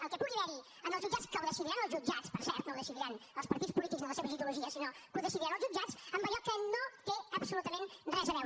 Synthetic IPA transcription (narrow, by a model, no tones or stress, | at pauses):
əlˠkɛpuɣiðɛɾi | əməlˠzʒud͡ʒat͡skəwðəsiðiɾanəlˠzʒud͡ʒat͡spəɾsɛɾt̪nowðəsiðiɾanəlˠspəɾt̪it͡spulit̪ikzðəmləseβəziðuluʒiəsinokuðəsiðiɾanəlˠzʒud͡ʒat͡səmbəʎɔkənot̪eəpsulut̪əmẽnrɛzəβɛw